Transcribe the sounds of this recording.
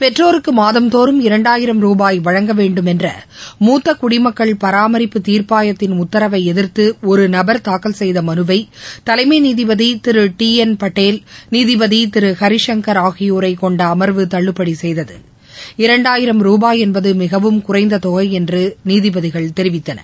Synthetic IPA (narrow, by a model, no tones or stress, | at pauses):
pɛʈːroːɾɯkːɯmaːðɐmt̪oːɾɯmɪɾɐɳɖaːjɪɾɐmɾuːbaːjʋɐɻɐŋɡɐʋeːɳɖɯmɛndrɐ̰muːt̪ːɐkʊɽɪmɐkːɐɭpɐɾaːmɐɾɪpːɯt̪iːɾpaːjɐt̪ːɪnʊt̪ːɐɾɐʋɐɪɛðɪɾt̪ɯɔɾɯnɐbɐɾt̪aːkɐlsɛjðɐmɐnɯʋɐɪt̪ɐlɐɪmeniːðɪbɐðit̪ɪɾɯʈiːɛnpɐʈːeːlniːðɪbɐðit̪ɪɾɯxɐɾɪʂɐŋkɐɾaːɣɪjoːɾɐɪkɔɳɖɐːmɐɾʋɯt̪ɐɭːɯpːɐɽisɛjðɐðɯ̰ | ɪɾɐɳɖaːjɪɾɐmɾuːbaːjɛnbɐðɯmɪɣɐʋɯmkʊrɐɪnd̪ɐt̪ɔɣɐɪɛndrɯniːðɪbɐðɪɣɐɭt̪ɛɾɪʋɪt̪ːɐnɐ̰